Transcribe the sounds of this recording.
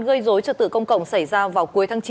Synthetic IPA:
nɣə˧jzo˨˦jt͡ɕəː˧˩t̪ɨ̰˧˨kə˧wŋ͡mkə̰˧˨wŋ͡msa˧˩jzaː˧vaː˨˩wku˨əjt̪aː˨˦ŋt͡ɕ

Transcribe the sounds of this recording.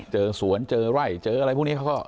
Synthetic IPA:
t͡ɕɤː˧su˨˩˦ənt͡ɕɤː˧ɾa˥˩jt͡ɕɤː˧ʔa˧a˧jpʰːni˦˥kʰkɔ˥˩

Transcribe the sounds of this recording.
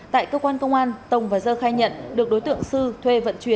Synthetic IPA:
t̪a̰ː˧˨jkəː˧kwaː˧nkə˧wŋ͡mʔaː˧nt̪ə˨˩wŋ͡mvaː˨˩zəː˧xaː˧jɲə̰˧˨nɗɨ˨˩ək̚ɗo˨˦jt̪ɨ̰˧˨əŋsɨ˧t̪ʰwe˧və̰˧˨nt͡ɕwi˨˦ə˦n

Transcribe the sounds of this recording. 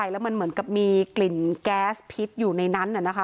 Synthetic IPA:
a˧jlɛː˦˥wma˧nmɯ˨˩˦nka˨˩p̚miː˧kli˨˩nkɛː˦˥spʰi˦˥t̪̚juː˨˩na˧jna˦˥nʔa˨˩na˦˥kʰa˦˥

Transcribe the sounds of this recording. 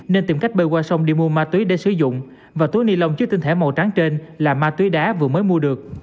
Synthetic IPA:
ne˧nt̪i˨˩mka˦˥jk̚ɓə˧jkwaː˧sa˧wŋ͡mɗḭ˧mu˧əmaː˧t̪wi˨˦ɗe˧˩˦sɨ̰˧˩zʊ̰˧˨ŋ͡m | vaː˨˩t̪u˨˦ni˧lə˧wŋ͡mt͡ɕɨ˦˥k̚t̪i˧ŋt̪ʰe˧˩ma˨˩wt͡ɕa˨˦ŋt͡ɕe˧nlaː˨˩maː˧t̪wi˨˦ɗaː˨˦vɨ˨˩əməː˨˦jmu˧əɗɨ˨˩ək̚

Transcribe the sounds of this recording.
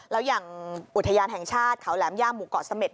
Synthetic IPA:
lɛː˦˥wjaː˨˩ŋʔu˨˩t̪ʰːa˧jaː˧nɦɛ˨˩ŋt͡ɕʰaː˥˩t̪̚kʰa˨˩˦wlɛː˩˦˥mjaː˥˩mːuː˨˩kɔ̰ː˨˩sa˧me˨˩

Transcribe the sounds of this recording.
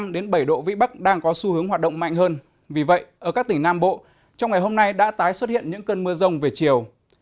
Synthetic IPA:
mɗe˨˦nɓə˧˩jɗo̰˧˨vḭ˧˥ɓa˦˥k̚ɗaː˧ŋkɔ˨˦su˧hɨ˨˦əŋwaː˨˩t̚ɗə̰˧˨wŋ͡mma̰˧˨jŋ̟ɦəː˧n | vi˨˩və̰˧˨jʔəː˧˩kaː˦˥k̚t̪ï˧˩ŋnaː˧mɓo̰˧˨ | t͡ɕɔ˧wŋ͡mŋa˨˩jɦo˧mna˧jɗa̰ː˧˥t̪aː˨˦jswə˦˥t̚hḭ˧˨ənɲɨ̰˧˥ŋkəː˧nmɨ˧əzə˧wŋ͡mve˨˩t͡ɕi˨˩əw

